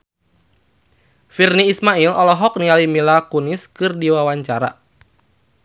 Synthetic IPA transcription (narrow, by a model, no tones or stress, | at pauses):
firniːsmailɔlɔɦɔk̚nialimilakunɪskɨrdiwawaɲt͡ʃaɾa̰